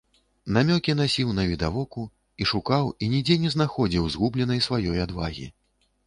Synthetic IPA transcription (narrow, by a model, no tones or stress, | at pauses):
namʲɔkʲinasʲiwnɐvʲid̪avɔku | iʂukawinʲid͡zʲɛnʲɛznaxɔd͡zʲiwzɣublʲɛnɐjsvajɔjad̪vaɣʲḭ